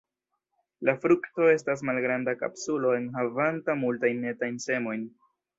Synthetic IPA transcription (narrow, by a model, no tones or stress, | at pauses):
lafɾukto̞e̞s̬tas̬malɡɾandaka̰psulo̞e̞nɦavantamultajnːe̞tajnse̞mo̞jn